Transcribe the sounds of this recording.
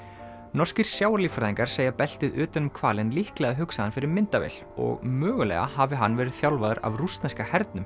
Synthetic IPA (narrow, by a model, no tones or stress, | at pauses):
nɔr̥scɪɾ̥sjawaɾlifɾaðiŋkaɾ̥seːjapɛl̥t̪ɪðʏːt̪anʏmkʰvaːlɪnlihklɛɣaɦʏksaðanfɪɾɪɾmɪnt̪avḛl | ɔ̰ɣmœːɣʏlɛ̰ɣa̰havɪɦanːvɛːɾɪðθjawlvaðʏɾa̰vrust̪nɛskahɛɾt̪nʏm